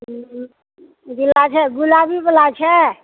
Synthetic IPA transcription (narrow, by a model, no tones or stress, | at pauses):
d̪ilat͡ʃʰɛɡulabʱibəlat͡ʃʰɛ